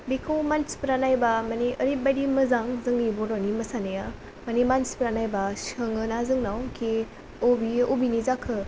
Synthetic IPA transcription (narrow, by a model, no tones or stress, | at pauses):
bikʰowmanspəɾanajbamaneʔəɾip̚bajdiməzaŋzɯŋniboɾanimɐsaneja | manimanspɾanajbaʃəŋɯnazɯŋnawkʰe | obiobinizakʰɯ